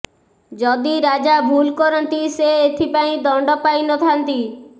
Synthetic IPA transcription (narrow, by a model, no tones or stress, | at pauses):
d͡ʒɔd̪iɾad͡ʒabʱulkɔɾɔnt̪iseet̪ʰipaĩd̪ɔɳɖɔpajnɔt̪ʰant̪i